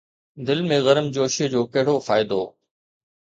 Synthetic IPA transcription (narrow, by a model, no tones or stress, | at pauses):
d̪ɪlmẽɣɐɾəmd͡ʑoːʃid͡ʑoːkɐɦɪɽofaːɪd̪oː